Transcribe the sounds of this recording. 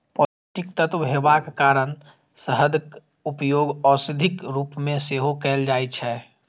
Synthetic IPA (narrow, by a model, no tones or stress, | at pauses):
pɔl | ʈikt̪ət̪ʋɦebakkaɾən | səɦəd̪k | upjoɡɔsid̪ʱikɾuːpmẽseɦokɛld͡ʒajt͡ʃʰɛ